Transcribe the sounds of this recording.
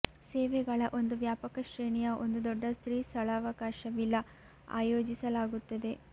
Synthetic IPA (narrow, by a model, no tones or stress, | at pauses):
seːʋɛɡɐɭɐʔo̞nd̪uʋjaːpɐkɐʃɾeːɳijɐʔo̞nd̪ud̪ɔɖːɐst̪ɾiːst̪ʰɐlaːʋɐkaːʃɐʋilːɐ | a̰ːjoːd͡ʒisɐlaːɡut̪ːɐd̪e̞